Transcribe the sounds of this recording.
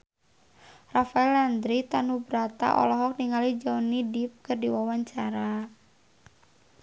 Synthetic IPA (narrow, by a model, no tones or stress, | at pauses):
rafaɛland̪ɾit̪anubɾat̪a̰ʔɔ̰lɔɦɔk̚niŋalid͡ʒanidip̚kɨrdiwawaɲt͡ʃaɾa